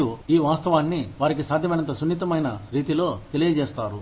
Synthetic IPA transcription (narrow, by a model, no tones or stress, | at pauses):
uiːʋaːst̪ɐʋaːnːiʋaːɾikisaːd̪ʱjɐmɐjnɐnt̪ɐsunːit̪̬ɐmɐjnɐɾiːt̪ilo̞ːt̪e̞lijɐd͡ʒɛːst̪aːɾu